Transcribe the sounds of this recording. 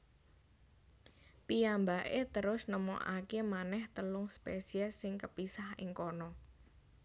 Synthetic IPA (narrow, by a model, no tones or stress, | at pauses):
pijambaʔet̪əɾʊsnəmo̰ʔa̰kemanɛht̪əlʊŋspesiɛsɪŋkəpisahɪŋkɔnɔ